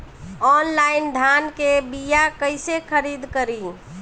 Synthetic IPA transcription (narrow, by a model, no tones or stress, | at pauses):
ɔnlaɪnd̪ʱankebijakəɪsekʰəɾid̪kəɾi